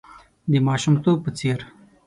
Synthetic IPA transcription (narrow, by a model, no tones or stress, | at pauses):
d̪imɑːʃumt̪oːpət͡seɾ